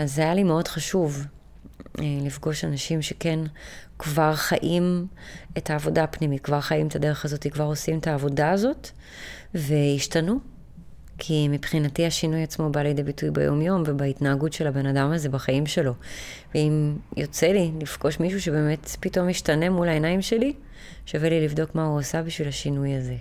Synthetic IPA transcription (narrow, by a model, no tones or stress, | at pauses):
azajalimeo̞d̥χaʃuv | lifɡo̞ʃanaʃimʃeke̞nkvaʁχaʔimetʰaːvo̞dapnimitkvaʁχajimetʰade̞ʁeχazo̞t̪ikvaʁo̞simetaːvo̞daːzo̞t | ve̞jiʃtanu | kʰimipχinatiaʃinujat͡smo̞baledebitujbḛjo̞̰mjo̞mvebaitnaːɡutʃe̞labe̞nadamaze̞baχaimʃe̞lo̞veimjo̞t͡se̞lilifɡo̞ʃmiʃ̬uʃe̞be̞ːme̞tpito̞mjiʃtanemulaenaimʃe̞li | ʃavelilivdo̞kmauosabiʃvilaʃinujaze̞